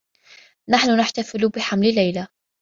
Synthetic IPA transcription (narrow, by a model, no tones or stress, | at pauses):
naħnʊnaħt̪afɪlbɪħamlɪlːajla